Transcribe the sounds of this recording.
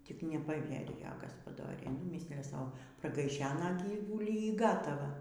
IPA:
tʲɪk nʲɛpɐˈʋʲiɛrʲɪjoː ɡɐspɐˈdoːrʲɛɪ nʊ ˈmʲɪsʲlʲɪjɛ ˈsɐʊ prɐɡɐɪˈʃʲæːnɐ ˈɡʲiːʋʊlʲiː iː ˈɡɑːtɐʋɐ

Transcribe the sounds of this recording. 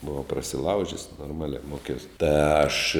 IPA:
bʊˈʋɐʊ prɐsʲɪˈlˠɐʊʒʲɪs noːrˈmɑːlʲæː ˈmoːkʲɛʊs tɐ ɐʃ

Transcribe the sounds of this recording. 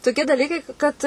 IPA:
toːˈkʲiɛ dɐˈlʲiːkɐɪ ˈkɐt

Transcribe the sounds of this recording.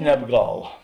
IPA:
nʲɛbˈɡɐlˠ

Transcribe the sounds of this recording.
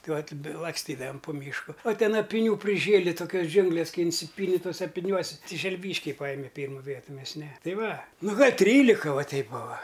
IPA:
ˈtɐɪ ˈʋɐtʲ lˠɐksʲˈtʲiːdɐʋɐm pʊ ˈmʲiːʃkʊ oː ˈtʲɛn ɐpʲɪˈnʲuː pʲrʲɪˈʒʲeːlʲɪ toːˈkʲoːs ˈd͡ʒʲʊŋɡlʲeːs ˈkɐɪ ɪnʲˈsʲɪpʲiːnʲɪ toːˈsʲɛ ɐpʲɪˈnʲuɔsʲɪ ˈtʲɪ ʒʲɛlʲˈʋʲiːʃʲkʲɛɪ ˈpɑːjɪmʲɛ ˈpʲiːrmʊ ˈʋʲiɛtʊ ˈmʲɛs nʲɛ ˈtɐɪ ˈʋɐ ˈnʊ ɡɐlʲ ˈtʲrʲiːlʲɪkɐ ˈʋɐ ˈtʲɛɪp ˈbʊʋɐ

